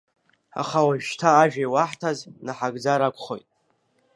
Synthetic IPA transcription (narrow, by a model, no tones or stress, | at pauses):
a̰χawaʒʃtʰaːʒᶣajwaħtʰaznaħaɡd͡zaɾakʷʰʼχojtʼ